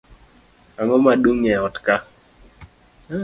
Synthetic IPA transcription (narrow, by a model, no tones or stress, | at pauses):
aŋɔmaɗuŋɛɔtka